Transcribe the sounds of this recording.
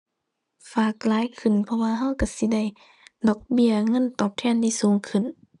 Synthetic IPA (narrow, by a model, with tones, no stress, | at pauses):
faː˨˩k̚laː˨˦jkʰɯ˧˩˨npʰɔ˧waː˧ɦa˧˥˨wka˧˩si˧˦da˧˩j | dɔː˧˩k̚bi˧˨əŋɤ˧˥˨nt̪ɔː˨˩p̚t̪ʰɛː˧˨ndʰi˧˨suː˨˦ŋkʰɯ˧˩˨n